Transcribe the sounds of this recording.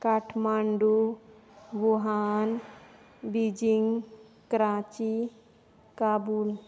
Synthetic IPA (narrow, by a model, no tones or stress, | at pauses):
kaʈʰmaːɳɖu | ɡuɦaːn | bid͡ʒiŋɡ | kɾãːt͡ʃi | kaːbuːl